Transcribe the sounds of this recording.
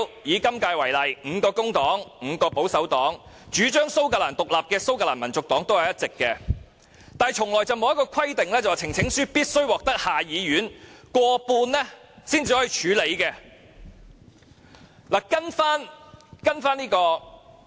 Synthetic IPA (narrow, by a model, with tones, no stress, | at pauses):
jiː˨˥kɐ˥mkaː˧jwɐ˨˩jlɐ˨˩jŋ̩ː˨˧kɔː˧kʊ˥ŋt̪ɔː˨˥ŋŋ̩˨˧kɔː˧po˨˥wsɐ˨˥wt̪ɔː˨˥ŋ | t͡ʃyː˨˥t͡ʃœː˥ŋso˥wkaː˧laː˨˩nt̪ʊ˨k̚laː˨p̚kɛː˧so˥wkaː˧laː˨˩nmɐ˨˩nt͡sʊ˨k̚t̪ɔː˨˥ŋt̪o˥whɐ˨jɐ˥t̚t͡sɪ˨kːɛː˧ | t̪aː˨˩jt͡ʃʰʊ˨˩ŋlɔː˨jt͡sɐ˨wmo˨wjɐ˥kɔː˧kʷʰɐ˥jt̪ɪ˨ŋlɛː˥t͡swaː˨t͡sʰɪ˨˩ŋt͡sʰɪ˨˥ŋsyː˥piː˥t̚sɵ˥ɥwɔː˨k̚t̪ɐ˥k̚haː˨˩jiː˨˧ɥyː˨˥nkʷɔː˧puː˧nlɛ˥ | siː˥nt͡si˨˧hɔː˨˥ji˨˧t͡ʃʰyː˨˥le˨˧jkɛː˧ | laː˨˩kɐ˥nfaː˥nkɐ˥nfaː˥nliː˥kɔː˧